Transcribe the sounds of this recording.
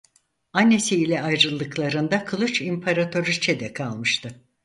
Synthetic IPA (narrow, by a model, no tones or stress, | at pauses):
anːe̞siːlʲɛajɾɯlˠːɯklˠaɾɯnd̪akʰɯlˠut͡ʃimpʰaɾat̪ʰo̞ɾit͡ʃʰɛd̪ɛkʰalˠmɯʃt̪ʰɯ